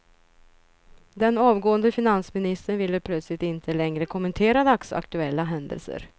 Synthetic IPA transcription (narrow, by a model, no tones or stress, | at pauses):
d̪ɛnɑːvɡoːənd̪əfɪnansmɪnɪst̪əɳvɪlːəpʰlœt̪slɪt̪ɪnt̪ʰəlɛŋɾəkʰʊmənt̪ʰeːɾad̪aksa̰kt̪ɵɛlːaɦɛnd̪ə̰lsə̰ɾ